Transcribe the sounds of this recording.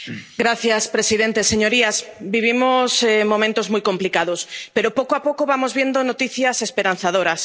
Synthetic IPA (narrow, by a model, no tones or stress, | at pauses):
ɡɾaθjaspɾesiðent̪eseɲoɾiasbiβ̞imosemõmẽnt̪ozmujkomplikaðospeɾopokoapokoβamozβjend̪onot̪iθjasespeɾanθaðoɾas